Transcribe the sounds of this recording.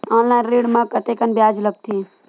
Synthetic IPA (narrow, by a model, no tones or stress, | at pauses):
ɔːnlajnɾiːɖmãkət̪ekənbjaːd͡ʒləɡ̚t̪ʰi